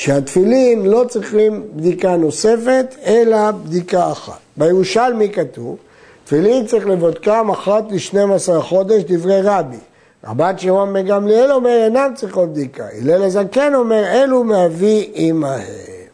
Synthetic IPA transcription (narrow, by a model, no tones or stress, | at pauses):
ʃeat̪filimlo̞t͡sʁiχimbd̪ikano̞se̞fe̞t̪e̞labd̪ikaːχa̰t̪̚bejeʁuʃalmikat̪uv | t̪filimt͡saʁiχlevod̪̚kamaχat̪liʃnemasaʁaχo̞d̪e̞ʃd̪ivʁejʁabi | a̰bat̪ʃehoameɡamlielo̞me̞ʁenamt͡sʁiχot̪̚b̚d̪ika̰ḭlelezake̞no̞me̞ʁe̞lumeaviʔimahem